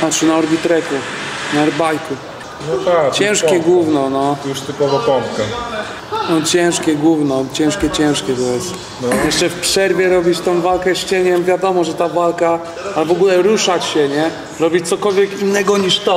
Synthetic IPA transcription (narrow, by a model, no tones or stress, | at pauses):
nat͡ʂɨnaɔɾbʲit̪ɾɛkunaɛɾbajku | nɔat͡ɕɛ̃w̃ʂkʲɛɡwuvnɔnɔjuʂt̪ɨpɔvɔpɔmpkɛ | nɔt͡ɕɛ̃w̃ʂkʲɛɡwuvnɔt͡ɕɛ̃w̃ʂkʲɛt͡ɕɛ̃w̃ʂkʲɛt̪ɔjɛst̪jɛʂt͡ʂɛfpʂɛɾvʲjɛɾɔbʲit͡ɕt̪ɔ̃w̃valkɛɕt͡ɕɛɲɛmvʲjad̪ɔmɔʐɛt̪avalka | alvɔɡulɛɾuʂat͡ɕɕɛɲɛ | ɾɔbʲit͡ɕt̪sɔkɔlvʲjɛkinːɛɡɔɲiʂt̪ɔ